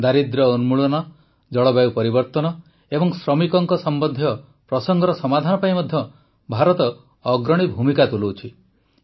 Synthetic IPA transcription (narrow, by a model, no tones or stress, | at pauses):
d̪aɾid̪ɾɔunmuɭɔnɔ | d͡ʒɔɭɔbawpɔɾibɔɾt̪ɔnɔ | ebɔŋsɾɔmikɔŋkɔsɔmbɔnd̪ʱjɔ | pɾɔsɔŋɡʱɔɾɔsɔmad̪ʱanɔpajmɔd̪ʱjɔ | bʱaɾɔt̪ɔː | ɡɾɔɽ̃ibʱumikat̪uluwt͡ʃʰi